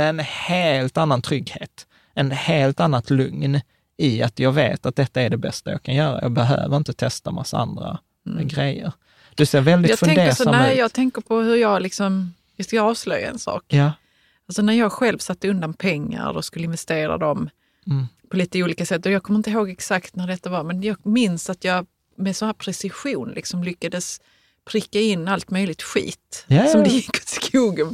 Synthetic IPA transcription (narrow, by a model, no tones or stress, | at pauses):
ɛɛnheːlt̪anːant̪ʰɾʏɡheːt̪ | ɛnheːlt̪anːat̪lɵŋn | ɪat̪jɑːɡvḛːt̪at̪̚d̪ɛt̪ːaæɖɛbɛ̰st̪ajɑ̰ːkʰanjœːɾa̰jɑ̰ːɡ̚bɛɦø̰ːvəɾɪnt̪ət̪ʰɛst̪ama̰saa̰nd̪ɾa̰ | ɡɾɛjːə̰ɾ | d̪̥ɵseːɾvɛld̪ɪjɑfɵɛŋd̪eːsanːjɑːɡt̪ʰɛŋkəɾpʰɔhɵɾjɑɡlɪksɔm | jɑsklaɑːvslœjːa̰ɛ̰nsɑ̰ːkja | alsɔnæɾjɑːɡɧɛlvsat̪ːəɵnd̪anpʰɛŋːa̰ɾɔskɵlːɪnvɛst̪eːɾa̰d̪ɔm | pʰɔliːt̪əuːliːkasɛt̪ːɔjɑːɡkʰɔmːɾɪnt̪əɦoːɡɛksakt̪næɖɛt̪ːavaɾmɛnjɑːɡmɪnsat̪jɑːɡ | mɛsɔnhæːɾpʰɾɛsɪɧuːnlɪ̰ksɔmlʏkːad̪əs | pʰɾɪkːaɪnːalt̪mœjlɪt̪ɧḭːt̪sɔmd̪ɛjɪkːɔ̥t̪skʰuːɡəm